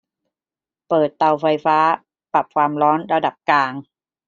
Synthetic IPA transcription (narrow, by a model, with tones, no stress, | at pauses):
pɤː˨˩t̪ːa˨˩wfa˧jfaː˦˥ | pa˨˩p̚kʰwaː˧mɾɔː˦˥nɾa˧da˨˩p̚kaː˧ŋ